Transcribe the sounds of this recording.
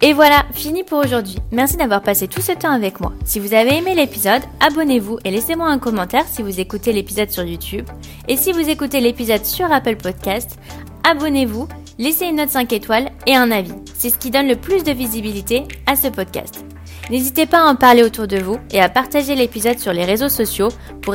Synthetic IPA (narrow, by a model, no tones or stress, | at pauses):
evwalafinipuʁoʒuʁd̪ɥimɛʁsid̪avwaʁpaset̪usət̪ɑ̃avɛkmwa̰sivuzaveemelepizɔd̪abɔnevuʔelesemwaɛ̃kɔmɑ̃t̪ɛʁsivuzekut̪elepizɔd̪syʁjut̪ʰyb | esivuzekut̪elepizɔd̪syʁapəlpɔd̪kʲast̪ | abɔnevu | leseynːɔt̪sɛ̃ket̪waleɛ̃navisɛsə̥kʲid̪ɔnləplysd̪əvizibilit̪easəpɔd̪kʲa̰st̪ | nezit̪epaːɑ̃paʁleot̪uʁd̪əvueapaʁt̪aʒelepizɔd̪syʁleʁezosɔsjo | puʁ